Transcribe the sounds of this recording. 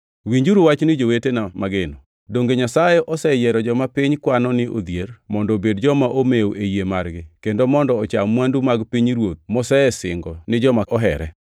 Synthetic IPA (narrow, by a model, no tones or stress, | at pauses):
wiɲd͡ʒuɾuwat͡ʃnɪd͡ʒowetenamaɡenɔ | doŋɡeɲasajeʔɔsɛjɛɾɔd͡ʒɔmapiɲkwanɔnɪo̰d̪jermɔndɔbedd͡ʒɔmaʔomewoʔejemarɡɪkendomɔndɔːt͡ʃamwandumaɡpiɲɾwot̪̚mɔsɛsɪŋɡɔnɪd͡ʒɔmaɔɦɛ̰ɾɛ